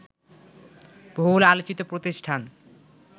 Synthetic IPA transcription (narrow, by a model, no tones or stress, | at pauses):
b̥ʱolalot͡ɕit̪opɾot̪iʃʈʰan